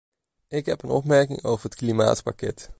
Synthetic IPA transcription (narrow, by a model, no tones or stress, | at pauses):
ɪkɦɛpənɔ̰pmɛɹkɪ̰ŋowvəɹɦətklima̰ːtpakɛt